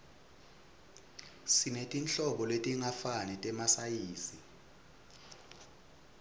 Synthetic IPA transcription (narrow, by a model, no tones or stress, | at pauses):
sinetʼint͡ɬʼɔɓɔletʼiŋafanɛtʼɛmasajiːsi